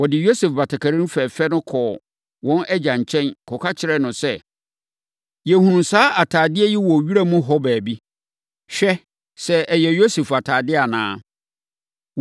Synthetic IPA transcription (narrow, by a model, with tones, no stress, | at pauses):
wɔ˨dɪ˨jo˦sɛ˨fba˨tʰa˨kʰa˨ɾĩ˦fɛ˨fɛ˦nʊ̃˦kʰɔ˨ | wɔ̃˦nʔɛ˦d͡ʑã˨ɲ̩˨t͡ɕʰɛ̃˦nkʰɔ˨kʰa˦t͡ɕʰɪ˨ɾɛ˦nʊ̃˨sɛ˦˨ | jɛ˨hũ˨nũ˨saː˦ʔa˨tʰaː˨dɪ˦ɛ˦jɛ˦wɔ˨ɥi˦ɾa˦mʊ̃˦ɦɔ˦bæː˨bi˦ | ɕᶣɛ˦ | sɛ˦ʔɛ˨jɛ˨jo˦se˨fa˨tʰaː˨dɪ˦a˨nã̰ː˨˦